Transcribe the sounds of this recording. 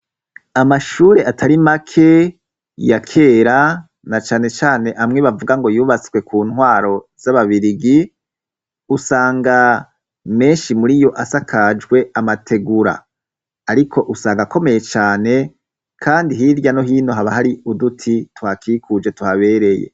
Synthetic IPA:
amaʃuːɾe̞ʔatʰaɾimakʰe̞ | jakʰe̞ːɾa | nat͡ʃaːne̞t͡ʃaːne̞ʔamŋeβavuɡaŋɡo̞juːβat͡swe̞kʰuːnwaːɾo̞ | z̥aβaβiɾiɡi | usaːŋɡa | me̞ːnʃimuɾijo̞ʔasakʰad͡ʒɡwe̞amatʰe̞ɡuɾa̰ː | ɾikʰo̞ʔusaːŋɡako̞me̞je̞t͡ʃaːne̞ | kʰaːndiɦiɾɟano̞ɦiːno̞ɦaβaɦaɾiudutʰitwaːkikʰud͡ʒe̞tuhaβe̞ːɾe̞jḛ

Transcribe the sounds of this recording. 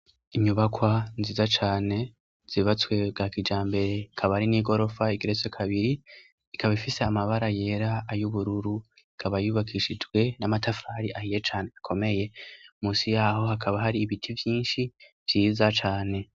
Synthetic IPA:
iɲuβakwanziːzat͡ʃaːne̞ | z̥iβat͡swe̞ɡakid͡ʒaːmbe̞ɾe̞kʰaβaɾiniːɡo̞ɾo̞faiɡiɾet͡sokʰaβiɾi | ikʰaβaifiseamaβaɾaje̞ːɾaːjuβuɾuɾu | ikʰaβajuβakʰiʃid͡ʒɡwe̞namatafaːɾiʔahije̞t͡ʃaːneakʰo̞me̞je̞muːsijaːho̞hakʰaβaɦaɾiːβitʰivjiːnʃi | v̥jiːzat͡ʃaːne̞

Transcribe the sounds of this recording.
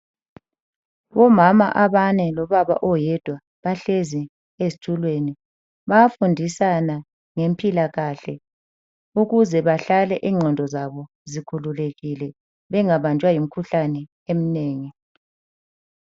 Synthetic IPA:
βɔmama̰ʔaβanɛlɔβaβa̰ʔɔjɛd̥ʱwa | βaɬezi | ezi̥tʰulweni | βaafundʱisana | ŋempʰʼilaɣaɬɛ | uɣuzɛβaɬalɛʔiːŋ͡ǀʱɔndʱɔzaβɔ | zikʰululeɣilɛ | βɛŋaβant͡ʃʼwajim̩kʰuɬanɛ | em̩neːŋi

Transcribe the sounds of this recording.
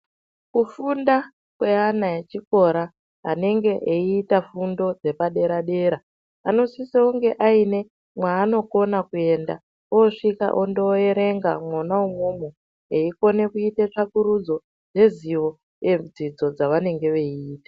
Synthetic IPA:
kufunda | kwe̞anaet͡ʃiko̞ɾaː | ne̞ŋɡe̞ʔeiːtafundo̞d͡ze̞paɗe̞ɾaɗe̞ɾa | ano̞siseuŋɡe̞ʔaine̞ | mwaːno̞ko̞nakue̞nda | oʂika̰ʔondoe̞ɾe̞ŋɡamwonaumumu | eiko̞ne̞kuitet͡ʂakuɾud͡zo̞ | ʐe̞ziʋo̞ | jed͡zid͡zo̞d͡zaʋane̞ŋɡe̞ʋe̞iiːtḁ

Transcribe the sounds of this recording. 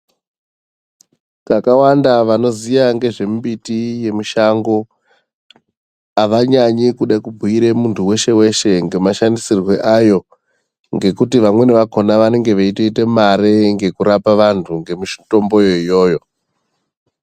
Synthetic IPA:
kakawandaʋano̞zijaŋɡe̞ʐe̞mbitije̞miʃaŋɡo̞ | aʋaɲaɲikuɗakubʱuiɾemuntʰuwe̞ʃe̞we̞ʃe̞ŋɡe̞maʃandisirwe̞ʔajo̞ | ŋɡe̞kutiʋamwe̞neʋako̞naʋane̞ŋɡe̞ʋeiteite̞maɾeŋɡe̞kuɾapaʋantʰuŋɡe̞muʃto̞mbo̞jo̞ijo̞ːjo̞

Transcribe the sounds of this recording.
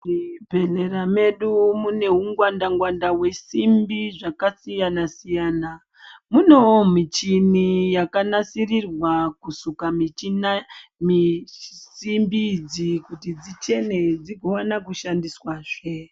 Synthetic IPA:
ipenerame̞ɗumune̞ɦuŋɡwandaŋɡwandawe̞simbiʐakasijanasijaːna | muno̞mit͡ʃinijakanasirirwakusukamiinmisimbid͡zikutid͡zit͡ʃe̞ne̞d͡ziɡʱowanakuʃandiswaʐe

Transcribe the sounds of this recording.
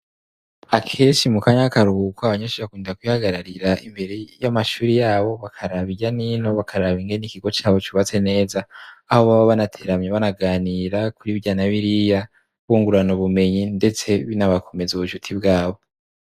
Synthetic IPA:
akʰeɾet͡ʃimukaɲakaɾuhkwaaβaɲaʃiakundiakwihaɡaɾaɾiɾaʔḭmbe̞ɾe̞jamaʃuːɾijaːβo̞βakʰaɾaβiɟanino̞βakʰaɾaβiŋɡe̞nikiɡo̞t͡ʃaːβo̞t͡ʃuβat͡se̞ne̞ːzaːhoβaβaβanatʰe̞ɾamɲeβanaɡaːniɾakuɾiβjaːnaβiɾija | βuːŋɡuɾanuβume̞ɲinde̞t͡se̞βinaβakʰo̞me̞zuβuʃutʰibɡaːβo̞

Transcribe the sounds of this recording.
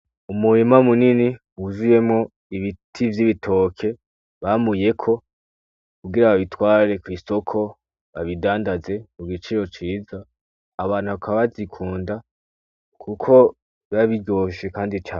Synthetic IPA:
umuɾimamunini | uzuje̞mŋo̞ | iβitʰivjiβitʰo̞kʰe̞ | βamuje̞kʰo̞ | kuɡiɾaβaβitwaːɾe̞kwiːso̞kʰo̞ | βaβidaːndaze̞kuɡit͡ʃiɾo̞t͡ʃiːzaː | βaːn̥huβakaβazikʰuːnda | kʰukʰo̞ | βaβiɟo̞ːʃe̞kaːndit͡ʃaːn

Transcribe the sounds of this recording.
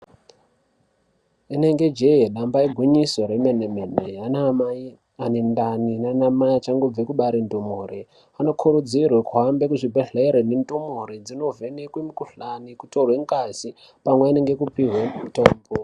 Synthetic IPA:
ine̞ŋɡe̞d͡ʒeɦeɗambaiɡʱwiɲisoɾemenemeneanaai | anendaninanamajat͡ʃaŋɡob͡vekuɓaɾindomoːɾe | ano̞kʰuɾud͡zirwekuɦambekuʐibʱeɮeeɾenendomoɾed͡zino̞venekwimikuɬanikutorweŋkasi | pamweine̞ŋɡekupiɦwetoːmbo

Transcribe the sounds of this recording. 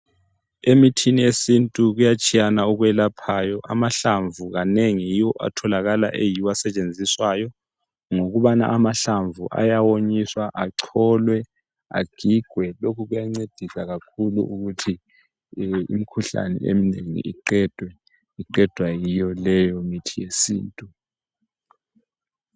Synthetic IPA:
emitʰiniesintʼuɣujat͡ʃʼijanauɣwɛlapʰaːjɔʔamaɬaɱvʱuɣaneŋijiwɔʔa̰tʰɔlaɣala̰ʔejiwasɛt͡ʃʼend͡zʱiswajɔ | ŋoɣuβana̰ʔamaɬaɱvṵʔa̰jawoɲiswaʔaǀʰɔːlwɛ | a̰ɡ̥ʱiɡ̥ʱwɛlokʰuɣujaŋ͡ǀed̥ʱisaɣakʰulṵʔuɣutʰi | ḭmikʰuɬa̰nɛ̰ḛmineŋḭiǃɛd̥ʱwɛ | iǃɛd̥ʱwajijɔlɛjɔmitʰijesḭːntʼu

